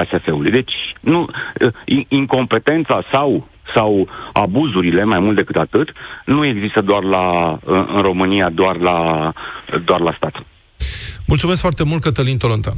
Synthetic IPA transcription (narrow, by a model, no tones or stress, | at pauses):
asefe̞ulujd̪e̞t͡ʃʲnu | iiŋko̞mpe̞t̪e̞nt̪sasaw | sawabuzuɾile̞majmult̪̚d̪e̞kɨt̪at̪ɨt̪nue̞ɡzist̪əd̪oarlaɨɨ̰nro̞mɨniad̪oarla | d̪oarlast̪at̪ | mult̪sumeskfoart̪e̞mult̪̚kət̪əlint̪olont̪a̰